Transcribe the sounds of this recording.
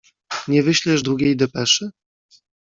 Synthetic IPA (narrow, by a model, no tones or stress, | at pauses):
ɲɛvɘɕlʲɛʐd̪ɾuɡʲejd̪ɛpɛʂɘ